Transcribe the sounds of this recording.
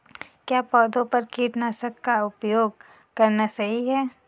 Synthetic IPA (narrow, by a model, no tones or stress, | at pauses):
kjaːpɔːd̪õpɐɾkiːʈnasɐkːaʊpjoːɡ̚ | kɐɾnasɐɦiɦɛː